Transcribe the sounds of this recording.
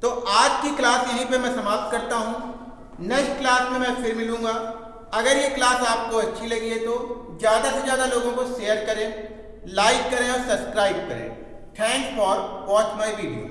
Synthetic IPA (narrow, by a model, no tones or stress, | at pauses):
t̪oːʔaːd͡ʒkiklaːsjɐɦĩpemɛ̃sɐmaːp̚t̪̚kɐɾt̪aɦũ | nɛʃʈklaːsmẽmɛ̃pʰɪɾmɪlũːɡaː | ɐɡəɾjeklaːsaːp̚koɐtːʃʰilɐɡiɦet̪ozjaːd̪asid͡ʒjaːd̪aloːɡõkoʃeːjəɾkɐɾẽː | laːɪkːɐɾẽɔːɾsɐbskɾaːɪb̚kɐɾḛ̃ː | ʈʰɛ̃ːŋkfɔːɾbɔːt̪mɐeʋiːɖijo̰ː